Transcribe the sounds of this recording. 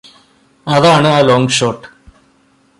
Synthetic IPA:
ɐðaːɳɨaːloːŋɡʂoːʈː

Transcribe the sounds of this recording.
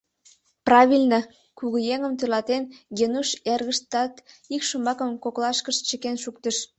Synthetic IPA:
prɑβʲilʲnə | kuɣəjeŋəmt̪ølɑt̪enjenuʃerɣəʃt̪ɑt̪ | ikʃombɑkəmkoklɑʃkəʃt͡ɕəkenʃuk̚t̪əʃ

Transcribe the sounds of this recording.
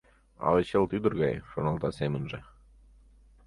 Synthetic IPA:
ɑ̰leɕəlˠt̪yd̪ə̆rɣɑjʃonɑlˠt̪ɑsemə̆nʒĕ

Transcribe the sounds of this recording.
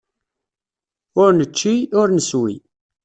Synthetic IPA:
ʊɾnət͡ʃːiʊɾnəswḭ

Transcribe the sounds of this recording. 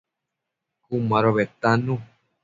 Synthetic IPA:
kumãɾoβet̪anũ

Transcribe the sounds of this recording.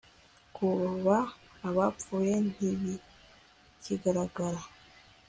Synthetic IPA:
kuββaː | βafuːje̞n̥iβi | ciɡaɾaɡaɾa

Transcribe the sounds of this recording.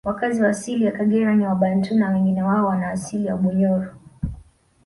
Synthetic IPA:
wakaziwaːsilijakaɡɛɾaɲiwaɓantunawɛŋɡinɛwaɔwanaːsiliwa̰ɓɔɲɔɾɔ

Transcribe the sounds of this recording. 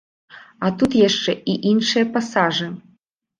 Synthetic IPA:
at̪ut̪jaʂt͡ʂɛʔiʔinʂɨjɐpasaʐɨ

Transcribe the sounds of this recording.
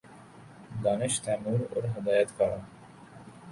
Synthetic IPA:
d̪ɑːnɪʃt̪ʰæːmuːɾʊ̰ɾɦɪd̪ɑːjat̪kɑːɾa

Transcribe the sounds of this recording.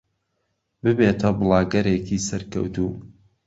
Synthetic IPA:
bɨbeːt̪ʰɐbɨlˠɑːɡɐɾeːkiːsɐɾkɐ̰wt̪uː

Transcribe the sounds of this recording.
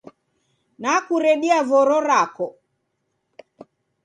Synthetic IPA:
nakuɾɛɗiavɔɾɔɾakɔ

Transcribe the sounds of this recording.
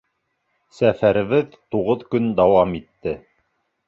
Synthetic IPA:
sæfæɾɘ̆βɘðt̪uʁɤðkɵnd̪ɑwɑmit̪ːɘ

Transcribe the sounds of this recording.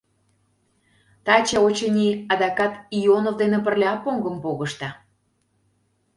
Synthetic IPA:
t̪ɑt͡ɕeot͡ɕənʲiɑd̪ɑkɑt̪ijonovd̪enĕpərlʲeɑpːoŋɡəmpoɣəʃt̪ɑ

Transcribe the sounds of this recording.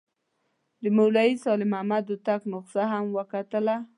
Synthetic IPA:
d̪əmawlaisɑlɪmamad̪ət̪aknʊqsaɦamwəkat̪əla

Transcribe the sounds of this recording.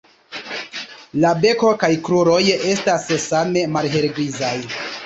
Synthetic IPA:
labe̞ko̞kajkɾuɾo̞je̞stassame̞malɦe̞ɾɡɾizaj

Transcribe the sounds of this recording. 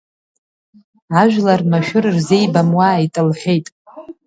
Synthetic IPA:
aʒᶣʷlarmaʃᶣʊrɨrze̞jbamwaitʼɨlħʷe̞jtʼ

